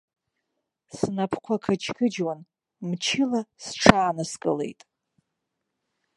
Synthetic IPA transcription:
snapʰkʷʰakʰat͡ʃʰkʰɨd͡ʒwan | mt͡ʃʰɪlasʈ͡ʂʰaːnɨskʼɨ̰le̞̰jtʼ

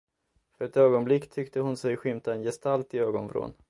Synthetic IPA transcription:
fœɾɛt̪øːɡɔnblɪkːt̪ʰʏkt̪əhʊnsɛjɧʏmt̪aɛnjɛst̪alt̪ɪøːɡɔnfɾo̰ːn

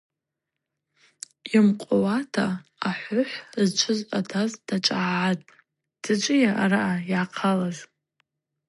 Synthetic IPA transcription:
imqʷʼowatʰaaħʷʊħʷzt͡ʃʷʰɨzʷʼatʰazdat͡ʃʼaːʕatʼ | d̥at͡ʃʷʼɪjaʔaɾaʔajʕaqʰalaʒʷ

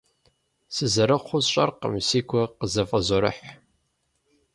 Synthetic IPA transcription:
sɨzɐɾɨqʷʊzɕʼɐ̰rqə̰msiːkʷʰɔqəzɐfʼɐzɔɾɨ̰ħ

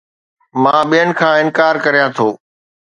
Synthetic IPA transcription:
mãːɓijənɪ̆kʰãːɪnkaːɾkɐɾijãːt̪ʰoː

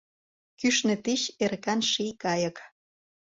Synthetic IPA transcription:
kyʃnĕt̪iɕerkɑnʃikɑjək

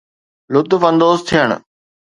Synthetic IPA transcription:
lʊt̪fə̃nd̪oːzt̪ʰijəɽ̰̃

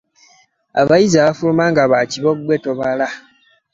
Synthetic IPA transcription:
a̰βajizaβafulumaŋɡaβaciβoɡwetoβala

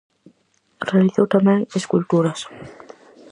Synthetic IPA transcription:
realiθot̪amɛ̃ŋeskult̪uɾas

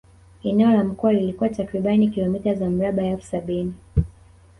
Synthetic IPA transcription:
ɛnɛɔlam̩kuwalilikuwatakɾiɓanikilɔmitazam̩ɾaɓaɛlfu̥saɓini

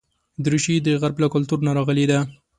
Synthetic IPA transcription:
d̪ɾuʃid̪əɣaɾblakʊlt̪uɾnaɾɑɣəled̪a

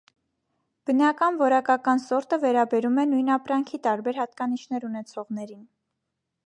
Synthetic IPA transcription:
b̥ənɑkɑnvɔɾɑkɑkɑnsɔɾt̪əvɛɾɑbɛɾumɛnujn̪ɑpɾɑŋkʰit̪ɑɾbɛɾhɑt̪̚kɑnit͡ʃʰnɛɾunɛt͡sʰɔʁn̪ɛɾin

